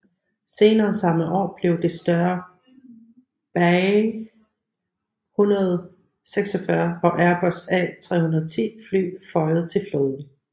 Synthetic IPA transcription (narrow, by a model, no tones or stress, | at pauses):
se̝ːnɐːsɑ̈mlð̩ˠɒ̰ːb̥le̝ʊd̥e̝sd̥ɶɐ | b̥æ | hunɐð̞̩ˠ | seɡ̥sɒfɶɐɒ̽ʔæɐb̥ɒsɛt͡sʰʁɛ̰hunɐð̩ˠt͡sʰḭːfly̰ːfɒ̽ɪð̞̩ˠt͡sʰe̝lfloːðˠn̩